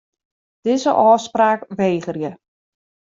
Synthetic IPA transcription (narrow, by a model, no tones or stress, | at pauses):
d̥ɪzəʔɔːspraːkʋeːɣərjə